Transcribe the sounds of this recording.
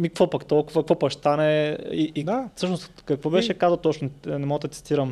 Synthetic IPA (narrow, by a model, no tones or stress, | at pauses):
mikkvopɐkt̪olˠkʊvɐkkvɔpɐkst̪anɛiʔid̪afsɤʃnost̪kɐkvobɛʃɛkazəwt̪ɔt͡ʃnʊnɛmoɡd̪ɐt̪si̥t̪iɾɐm